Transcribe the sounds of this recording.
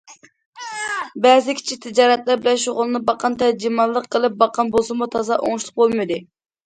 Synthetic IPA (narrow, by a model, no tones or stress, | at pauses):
bɛzɪkʲʰi̥t͡ʃʰit̪ʰɪd͡ʒɑːɾɛt̪læɾbɪlɛnʃoʁʊlˠɨnɨbɑqʰɑnt̪ʰɛd͡ʒimɑlˠːəqʰːəlˠɨp̚bɑqʰɑnbosɨmut̪ʰɑzɑʔo̰ŋʃlˠʊq̚bolˠmɨd̪ɨ